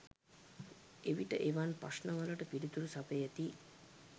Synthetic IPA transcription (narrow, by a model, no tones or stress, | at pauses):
eʋiʈəʔeʋanpa̰snəʋələʈəpiɖit̪uɾusapejet̪i